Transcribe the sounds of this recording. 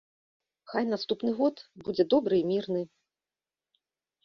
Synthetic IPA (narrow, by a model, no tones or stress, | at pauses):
xajnast̪upnɨɣɔt̪bud͡zʲɛd̪ɔbɾɨimʲirnɨ